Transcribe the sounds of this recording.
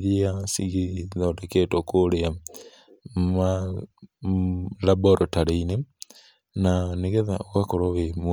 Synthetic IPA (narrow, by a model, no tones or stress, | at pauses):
ðiasiɣiðɔdeketokoɾea | ma | labɔɾɔtaɾeine | naneɣeðaoɣakoɾoβem